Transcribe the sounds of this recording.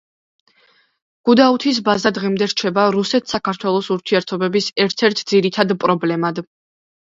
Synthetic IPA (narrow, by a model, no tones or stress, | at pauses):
ɡ̥ud̪aut̪ʰis̬bazad̪ʁimd̪ɛɾt͡ʃʰɛbaɾusɛt̪ʰsakʰaɾt̪ʰwɛlˠɔsuɾt̪ʰiɛɾt̪ʰɔbɛbisɛɾt̪ʰɛɾt̪ʰd̪ziɾit̪ʰad̪pʼɾɔblɛmad̪